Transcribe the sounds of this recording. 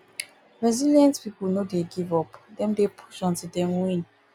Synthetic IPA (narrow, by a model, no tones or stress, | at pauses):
ɹɛzilijãntpipulnodeɡivɔpdɛ̃mdepʰu̥ʃɔ̃ntidɛ̃mwĩn